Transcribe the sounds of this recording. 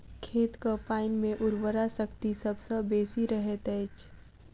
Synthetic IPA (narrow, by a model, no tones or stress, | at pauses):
kʰeːt̪kapaːɪnmẽʔʊɾwəɾasəkt̪isəbsəbeːsiɾəɦet̪ɛːt͡ʃ